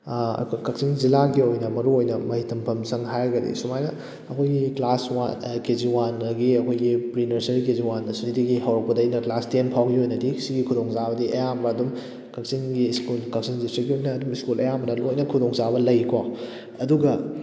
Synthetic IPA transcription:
kɐksiŋzilaɡiojnɐmɐɾuojnɐmɐhitɐmpʰɐmsɐŋɦajɾɐɡɐdḭsumajnɐ | ɐkʰojɡiklaswakeziwanɐɡiɐkʰojɡipɾinɐɾsɐɾikeziwanɐsunidiɡiɦɐwɾɐk̚pɐdɐjnɐklastenpʰawɡiojnɐdisiɡikʰudoŋzabɐdiʔɐjambɐːdum | kɐk̚siŋɡiːskulkɐk̚siŋdistiɡiojnɐːdumiskulɐjambɐnɐlojnɐkʰudoŋzabɐlɐjkʰwa | ɐduɡɐ

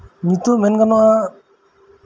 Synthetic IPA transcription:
mit̪umɛnɡanɔʔa

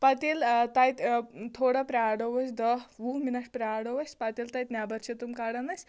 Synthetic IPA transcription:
pɐt̪ilt̪ajt̪t̪ʰoːɽapɾʲaːɽɐʋɐsʲd̪ɐɦʋuminɐʈpɾʲaɽɐʋɐsʲpɐt̪ilt̪ɐjt̪nʲjabɐɾt͡ʃʰet̪umkaɽɐnɐsʲ

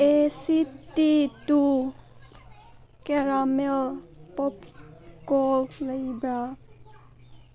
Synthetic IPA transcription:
esit̪it̪u | keɾamelpɔpkolləjbɾa

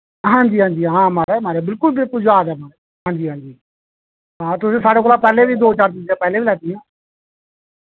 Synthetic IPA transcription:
ɦãːɲd͡ʒiːɦãːɲd͡ʒiːɦãːmaːɾɛːmaːɾeːbɪlkʊlbɪlkʊld͡ʒaːd̪aːmaːɾe | ɦãːɲd͡ʒiːɦãːɲd͡ʒiː | ɦãːt̪ʊsĩːsaːɽeːkoːlaːpɛːleːbiːd̪oːt͡ʃaːɾt̪̬ɪːt̪eːpɛːleːbiːlɛːd̪ijõː

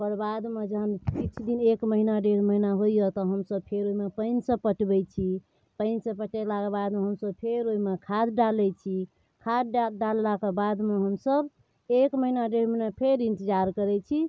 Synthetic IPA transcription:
pəɾbad̪med͡ʒəɦənkit͡ʃʰd̪inekməɦinaɖeɽ̤məɦinaɦojjɔt̪ɔɦəmsəbpʰeɾoimepəɪnsə̃pəʈbɛt͡ʃʰi | pəɪnsəpəʈɛlakebad̪meɦəmsəbpʰeɾoimekʰad̪ɖalɛt͡ʃʰi | kʰad̪̚ɖɖalːakebad̪meɦəmsəb | ekməɦinaɖeɽ̤menepʰeɾĩnt̪əd͡ʒaɾkəɾɛt͡ʃʰi

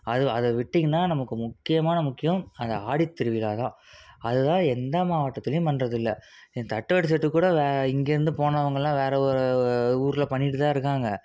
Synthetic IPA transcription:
ɐðɯɐðɐʋɪʈːɪŋɡɐnːaːnɐmɐkːɯmʊkːɪjɐmaːnɐmʊkːɪjɐmɐnd̪ɐaːɽɪt̪ːɛɾɯʋɪlaːt̪ãː | ɐðɯt̪ãːɛnd̪ɐmaːʋɐʈːɐt̪ːɪlɐjʊ̃mpɐnːɾɐðɪlːɐ | t̪ɐʈːɯʋɐʈɪsɐʈːɯkːuːɽɐʋeːɪŋɡeːɾɯnd̪ɯpoːnɐʋɐŋɡɐɭlːãːʋeːɾɐɔɾɯuːɾɪlɐpɐɳːɪʈːɯt̪ãːɪɾɯkːaːŋɡɐ

